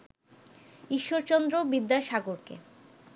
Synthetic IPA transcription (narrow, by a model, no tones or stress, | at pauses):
iʃːoɾt͡ɕɔnd̪ɾobid̪ːaʃaɡoɾkḛ